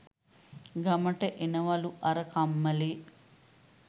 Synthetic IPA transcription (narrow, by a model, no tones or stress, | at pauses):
ɡɐmɐʈeʔinɐʋɐluʔɐɾɐkɐmːɐli